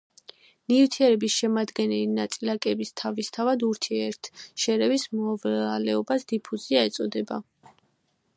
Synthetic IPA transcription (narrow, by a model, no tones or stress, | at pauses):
nivt̪ʰiɛɾɛbisʃɛmad̪ɡɛnɛlinat̪sʼilakʼɛbist̪ʰavist̪ʰavad̪uɾt̪ʰiɛɾt̪ʰʃɛɾɛvismɔvalɛɔbasd̪̥ipʰuziaɛt̪sʼɔd̪ɛba̰